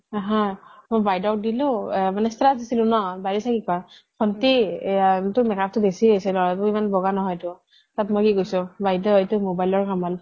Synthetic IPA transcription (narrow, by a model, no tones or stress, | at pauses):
ɦɔjmojbajdɔwdilomanɛstɹasdisilʊ̃nɔbajlisʰakika | kʰɔnti | tʊmɛkap̚ʰtʊbesiɦojsɛlɔɹatuimanbɔɡanɔɦɔjtʊ | tatmɔjkiɡojsɔ̃bajdɔetʊmobajlɔɹkamɔl